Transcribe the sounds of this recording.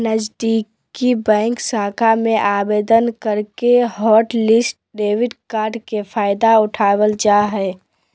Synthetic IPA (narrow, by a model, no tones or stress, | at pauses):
nəd͡ʒd̪ik | ibɛ̃ːŋksaːkʰamẽʔaːbeːd̪ənkəɾkeɦɔːʈlɪsʈ̚ɖeːʋɪɖkaːɾɖkefʰaːɪd̪aʊʈʰaːwəld͡ʒaːɦɛː